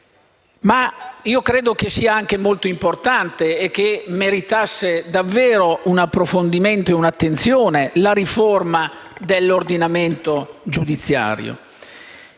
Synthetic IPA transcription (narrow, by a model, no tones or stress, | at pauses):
maiːokɾeːd̪ok̟esiːaaŋk̟emolt̪oimport̪ant̪eːk̟ːemeɾit̪asːed̪avːeːɾounapːɾofond̪iment̪oeunat̪ːent̪sjoːnelaɾiformad̪elːord̪inament̪od͡ʒud̪it̪sːja̰ːɾjo̰